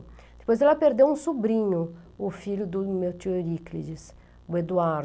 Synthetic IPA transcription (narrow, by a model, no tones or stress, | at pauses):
d̪̥e̥pojzɛlɐpeɾd̪ewũsubɾĩɲʊ | ʊfiʎʊd̪ʊmet̪iɾiklid͡ʒis | ʊed̪uaɾ